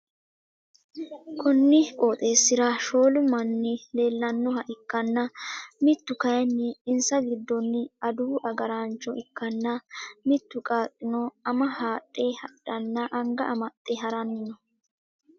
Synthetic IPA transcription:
kʰɔnːɪkʼo̞ːt̪ʼe̞ːsːɪɾaʃo̞ːlʊmɐnːɪle̞ːlːɐnːɔhɐʔɪkːɐnːɐmɪt̪ːʊkɐjnːɪːnsɐɡɪd̪ːɔnːɪɐd̪uːʔɐɡɐɾaːnt͡ʃːɔʔɪkːɐnːɐmɪt̪ːʊkʼaːtʼːɪnɔɐmɐhaːtʼːe̞ːhɐᶑːɐnːɐʔɐŋɡɐʔɐmɐt̪ʼːeːɦɐɾɐnːɪnɔ

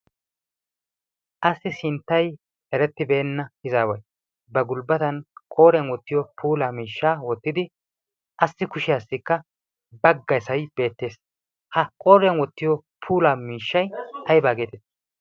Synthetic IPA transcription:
ʔɐsːɪsɪnt̪ːɐj | ɛɾɛt̪ːɪbeːnːɐɪzaːwɐj | bɐɡʊlbɐt̪ɐnkʼo̞ːɾɪjɐnwɔt̪ːɪjɔpʰuːlaːmiːʃːaːwɔt̪ːɪd̪ɪ | ʔɐsːɪkʊʃɪjaːsːɪkːɐ | bɐɡːɐjsɐjb̥e̞ːt̪ːe̞ːs | hɐkʼoːɾjɐnwɔt̪ːɪjɔpʰuːlaːmiːʃːɐjɐjbaːɡe̞ːt̪ɛt̪ː

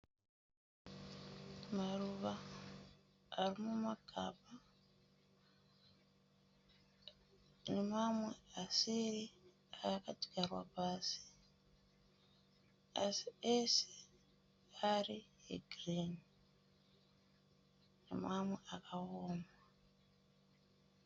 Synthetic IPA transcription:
maruβa | ɾimumakʰa̰pa | nemamwe̞asiɾi | aːkati̥ɡarwa̰paːsi̥ | asi̥ese̥ | aɾiḛɡriːni | nḛmaːmweakahoːma

